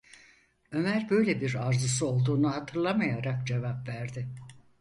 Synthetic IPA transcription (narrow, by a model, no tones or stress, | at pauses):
ø̞mæɾbø̞jlʲɛbiɾaɾzɯs̬ɯo̞lˠd̪uːnuhat̪ʰɯɾlˠamajaɾakd͡ʒe̞vapvæɾd̪ɪ